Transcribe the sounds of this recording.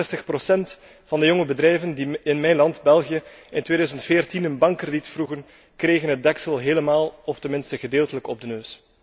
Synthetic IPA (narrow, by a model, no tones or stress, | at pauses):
ɛstəxprosɛnt | fɑndəjɔŋəbədɾɛjvəndiɪnmɛjnlɑndbɛlˠɣijəɪntʋeːdœːɥzəntfeːrtinənbɑŋkːrəditfruɣən | kreːɣənɦət̚dɛksəlˠɦeːləmaːlˠɔftənmɪnstəɣədeːlˠtələkɔb̚dənøːs